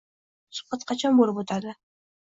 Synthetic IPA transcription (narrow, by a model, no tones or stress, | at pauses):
sʊ̥qɑt̪̚qʰɑt͡ʃʰɒnbolɪpot̪ʰaɾd̪ɪ